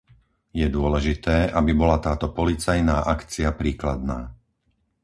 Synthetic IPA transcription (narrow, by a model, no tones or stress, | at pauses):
jɛd̪ʊɔlɛʒit̪ɛːʔabibɔlat̪aːt̪ɔpɔlit͡sajnaːʔakt͡siapɾiːklad̪̚naː